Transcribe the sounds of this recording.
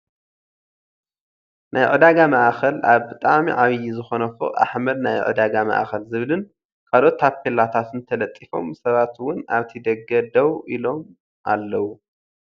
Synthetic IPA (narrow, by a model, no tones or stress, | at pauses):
nʔajʕɨd̪aɡamaʔxɐlaβbɨt̪ʼamiʕaβjizɨxo̞nɐfo̰ʔa̰ħmɐd̪najʕɨ̰d̪aɡama̰ʔxɐlzɨβlɨn | kʰalo̞t̪ːapʰːelat̪ʰat̪ɨnt̪ʰɐlɐt̪ʼːifo̞̰msɐβat̪wʊna̰βt̪ʰid̪ɐɡɐd̪ɐwilo̞m | ʔa̰lːɐwu